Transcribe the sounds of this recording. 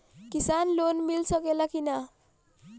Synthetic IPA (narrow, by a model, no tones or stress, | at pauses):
kisanlonmilsəkelakina